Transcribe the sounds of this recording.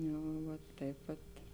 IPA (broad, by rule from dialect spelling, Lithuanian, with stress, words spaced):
ˈjɛʊ ˈʋɐt ˈtɐɪp ʋɐt